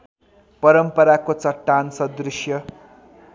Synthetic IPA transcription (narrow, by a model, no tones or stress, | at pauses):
pʌɾʌmpʌɾakot͡sʌʈːansʌd̪risjʌ